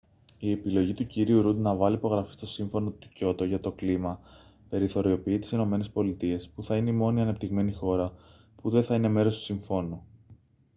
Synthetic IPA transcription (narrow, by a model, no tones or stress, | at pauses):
ie̞pilo̞ʝit̪uciɾiuɾud̪nɐvɐlipo̞ɣɾɐfi̥st̪o̞siɱfo̞no̞t̪uco̞t̪oʝɐt̪o̞klimɐpe̞ɾiθo̞ɾio̞piit̪i̥sino̞me̞ne̞spo̞lit̪ie̞spuθɐine̞imo̞niɐne̞pt̪iɣme̞nixo̞ɾɐ | puðe̞θɐine̞me̞ɾo̞st̪u̥siɱfo̞no